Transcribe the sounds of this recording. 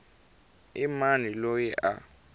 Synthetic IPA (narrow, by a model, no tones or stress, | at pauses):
imanilojiʔa